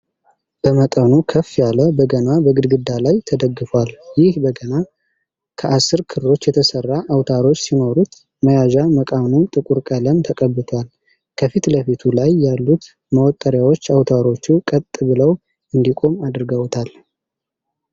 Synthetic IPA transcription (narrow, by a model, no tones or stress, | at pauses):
b̥əmət̪ʼənukʰəfːjaləbəɡənabəɡɨd̪ɡɨd̪ːalajt̪ʰəd̪əɡːɨfwaljɪhbəɡəna | kʰəʔasːɨɾkʰɨɾlo̞t͡ʃːjɛt̪ʰəsərːaʔawt̪ʰaɾo̞t͡ʃːsino̞ɾut̪ | məjaʒaməkʼanunt̪ʼɨkʼuɾkʼələmt̪ʰəkʼəbːɨt̪ʰal | kʰəfit̪ləfit̪ʰulajːalːut̪ | məwɔt̪ʼːəɾjawot͡ʃːawt̪ʰaɾo̞t͡ʃːukʼət̪ʼːɨbɨləw | ɨnd̪ikʼo̞mad̪ɾɡəwt̪ʰal